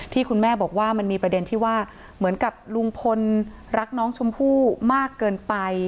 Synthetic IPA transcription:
t̪ʰiː˥˩kʰu˧nmɛː˥˩bɔː˨˩k̚waː˥˩ma˧nmiː˧pɾa˧de˧nt̪ʰiː˥˩waː˥˩ | mɯ˩˦ənka˨˩p̚lu˧ŋpʰo˧n | ɾa˦˥k̚nɔː˦˥ŋt͡ɕʰu˧mpʰuː˥˩maː˥˩kːɤː˧npa˧j

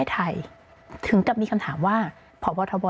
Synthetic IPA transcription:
t̪ʰa˧j | t̪ʰɯ˩˦ŋka˨˩p̚miː˧kʰa˧mt̪ʰaː˩˦mwaː˥˩ | pʰɔː˩˦bɔː˧t̪ʰɔː˧bɔː˧

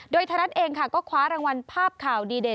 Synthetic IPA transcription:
doː˧jt̪ʰa˧ɾa˦˥t̪̚ʔeː˧ŋkʰa˥˩kɔː˥˩kʰwaː˨˦˥ɾaː˧ŋwa˧npʰaː˥˩p̚kʰaː˨˩wdiː˧de˨˩

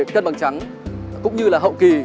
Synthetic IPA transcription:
kə˧nɓa˨˩ŋt͡ɕa˨˦ŋ | kʊ̰˧˥ŋ͡mɲɨ˧laː˨˩ɦə̰˧˨wki˨˩

